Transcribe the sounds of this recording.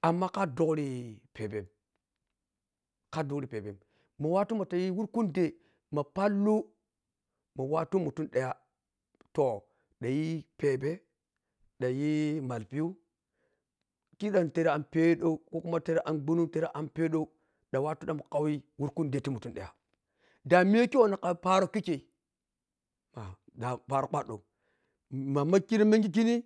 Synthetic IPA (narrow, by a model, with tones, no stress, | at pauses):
a˨mːa˦ka˦do˦kɾi˦pe˨be˨m | ka˦du˦kɾi˨pe˨be˨m | mo˨wa˦tu˦ma˨ta˨ji˦wu˦ɾku˦nde˨ | ma˨pa˦lːu˦ | mo˨wa˦tu˦mu˨tu˦nɗe˨ja˦ | to˨ | ɗa˨ji˦pe˨be˦ | ɗa˨ji˦ma˨lpi˦ju˦ | ki˦ɗa˨n˨te˨ɾe˦a˨npe˦ɗo˦u˦ko˦ku˦ma˦te˦ɾe˦ʔa˨nɡ͡bu˦nu˦te˦ɾa˦ʔa˨npe˦ɗo˦u˦ | ɗa˨wa˦tu˦ɗa˨mu˨ka˦wi˦wu˦ɾku˦nde˨˦ti˦mu˨tu˦nɗḛ˨ja̰˨ | da˨mi˦e˦ki˦wo˦na˨ka˨pa˦ɾo˦ki˦ke˨i˨ | ma˨ | da˨pa˨ɾa˨k͡pa˦ɗo̰˨ | ma˨ma˦ki˦ɾi˦me˦ŋɡi˦k̬i˦ni˦